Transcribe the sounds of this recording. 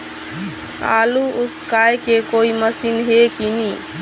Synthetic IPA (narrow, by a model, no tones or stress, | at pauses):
a̰ːluʊskajkekoiməsinɦekini